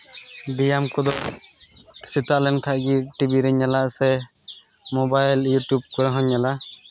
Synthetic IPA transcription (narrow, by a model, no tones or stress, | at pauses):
bijamkɔd̪ɔ | sit̪aʔlɛnk̪ʰaʔɡiʈibiɾɛɲalaʔsɛ | mɔbajljuʈjub̚kɔɾɛɦɔɲːala